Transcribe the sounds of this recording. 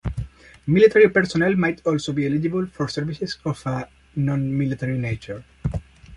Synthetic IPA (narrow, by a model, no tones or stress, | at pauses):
milit̪ʰaɾipɛɾsɔnɛlmajt̪ʰɔlsobielid͡ʒibəlfɔɾsɛɾvisesɔfa | nɔ̃nmilit̪aɹinejt͡ʃəɹ